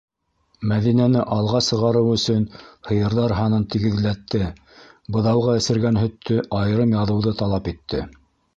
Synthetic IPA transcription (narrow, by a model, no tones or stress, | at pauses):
mæðinænɘʔɑlˠʁɑsɤ̆ʁɑɾɤwɵ̆sɵnhɤ̆jɤ̆ɾðɑɾɦɑnɤnt̪iɡɘ̆ðlæt̪ːɘ | bɤ̆ðɑwʁɑɘ̆sɘ̆ɾɡænɦɵ̆t̪ʰːɵʔɑjɤ̆ɾɤmjɑðɤ̆wðɤt̪ɑlˠɑpit̪ːɘ